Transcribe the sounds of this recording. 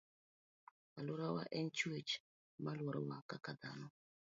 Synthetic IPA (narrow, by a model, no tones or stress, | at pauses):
aluɾawa̰ʔɛnt͡ʃuit͡ʃ | maluɾa̰wakakad̪anɔ